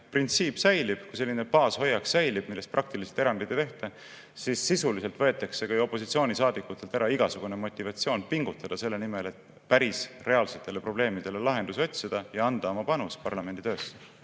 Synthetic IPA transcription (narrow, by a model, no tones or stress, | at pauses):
print̪siːpːsæjlib̥kujse̞lːine̞pɑːsho̞jːɑkssæjlib̥milːest̪prɑk̚t̪iliselt̪eɾɑnd̪it̪ːˑt̪e̞ht̪ɑ | sisːisulise̞lt̪vɤ̞et̪ːˑɑkse̞kɑjo̞pːˑo̞sit̪sioːnʲisɑːd̪̥ikːˑut̪ːˑelt̪æɾɑiɡ̥ɑsuɡ̥une̞mo̞t̪ʲːˑivɑt̪sio̞ːnpiŋɡ̥ut̪ːˑɑd̪̥ɑse̞lːe̞nime̞le̞t̪ | pæɾisre̞ɑlse̞t̪ˑːe̞le̞pro̞ble̞ːmid̪̥e̞le̞lɑɦe̞nd̪uso̞t̪ʲsid̪̥ɑjɑɑnd̪̥ɑo̞mɑpɑnuspɑrlɑmenit̪øːsːe